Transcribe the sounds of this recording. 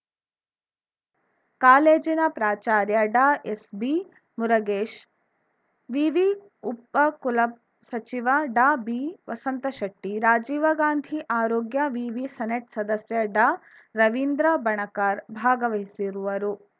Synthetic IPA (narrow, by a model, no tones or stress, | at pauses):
kaːleːd͡ʒinɐpɾaːt͡ʃaːɾjɐɖaːesbi | muɾɐɡeːʃ | ʋiːʋi | upːɐkulɐp̚ | sɐt͡ʃiʋɐɖaːbiʋɐsɐnt̪ɐʃɐʈːiɾaːd͡ʒiːʋɐɡaːnd̪ʱiʔaːɾoːɡjɐʋiːʋisɐneʈsɐd̪ɐsjɐɖaː | ɾɐʋind̪ɾɐbɐɳɐkaːɾbʱaːɡɐʋɐɦisiɾuʋɐɾu